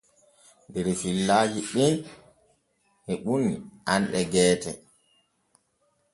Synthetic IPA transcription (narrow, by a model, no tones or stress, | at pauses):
ndɛɾfilːaːd͡ʒiɗin | hɛɓuniʔanɗɛɡɛːtɛ̰